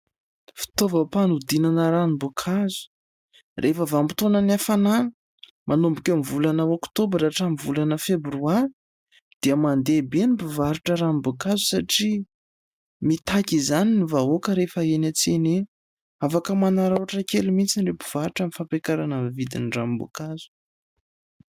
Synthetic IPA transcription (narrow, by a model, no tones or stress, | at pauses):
fi̥t̪ovəpanud̪inanəɾanimbukʰazu̥ | rʔefəvampi̥t̪onənafananə̥ | mʔanombukʲamivulanəokt̪obɾaʈ͡ʂamivulanəfebɾuan | d̪̥iəmand̪ebenibuvaɾuʈ͡ʂəɾanibukazu̥saʈ͡ʂi | mit̪akʲizaninivaɦokəɾefəenat͡sene | afakəmanaɾauʈ͡ʂəkelimit͡sinrepu̥v̥aɾuʈ͡ʂamifampekaɾanəmvid̪inɖ͡ʐamibṵkazu̥